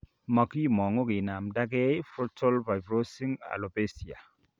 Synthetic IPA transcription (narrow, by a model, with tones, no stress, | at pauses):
mɔ˨ki˦˨mɔ˨ŋo˦ɡɪ˨na˨mda˦ɡɛ˦fɾɔ˦tʰɔ˦lva˨jbɾo˦si˦ŋa̰˨lo˨be˦si˨a̰˨